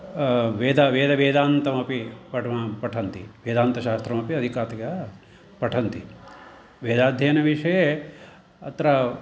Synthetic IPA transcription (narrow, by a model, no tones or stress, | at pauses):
ʋeːd̪ɐʋeːd̪ɐʋeːd̪aːnt̪ɐmɐpipɐʈʰmapɐʈʰɐnt̪iʋeːd̪aːnt̪ɐʃaːst̪ɾɐmɐpiɐd̪ʱikaːt̪ɐkɐ | pɐʈʰɐnt̪i | ʋeːd̪aːd̪ʱjɐjɐnɐʋiʂɐje | ɐ̰t̪ɐɾɐ